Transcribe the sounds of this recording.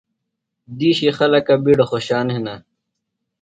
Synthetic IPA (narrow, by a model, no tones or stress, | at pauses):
d̪iːɕixɐlɐkabiɽoxoɕaːnɦinɐ